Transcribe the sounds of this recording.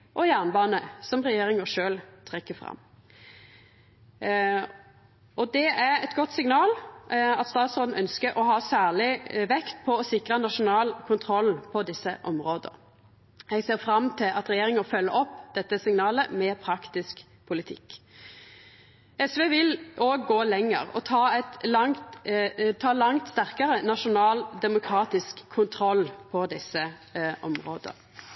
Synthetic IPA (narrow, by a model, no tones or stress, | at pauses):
ʔɔjæʁnbɑːnəsɔmʁɛjeːɾɪŋəʂøːlt̪ʰʁɛkːəfɾɑ̰mː | ɔd̪ɛʔæʁɛt̪ɡɔt̪ːsɪŋnɑːlɑt̪st̪ɑːt̪sɔːd̪n̩ʔœnskəɾʔɔɦɑːsæːɭɪʋɛkt̪̚pʰɔɔsɪkʁənɑʂʊnɑːlkʰʊnt̪ʰɾɔlpʰɔd̪ɪsːəʔɔmʁoːd̪ə̰ɾ | ɛɡseːʁfɾɑmt̪ʰɪlʔɑ̰t̪ɾɛjeːʁɪŋəfœlːəʔɔpːd̪̥ɛt̪ːəsɪŋnɑːləmɛːpʰɾɑkt̪ɪsk | pʰʊlɪt̪ʰɪ̰kː | ɛsʋeːʋɪloːɡːoːlɛŋːə̰ʁɔ̰t̪ʰɑːɛt̪lɑŋt̪t̪ʰɑːlɑŋt̪st̪æʁkəʁənɑʃʊnɑːld̪ɛmʊkʰɾɑːt̪ɪskʰːʊnt̪ʰɾɔlpʰɔd̪ɪsːə | ʔɔ̰mʁo̰ːd̪ə̰ʁ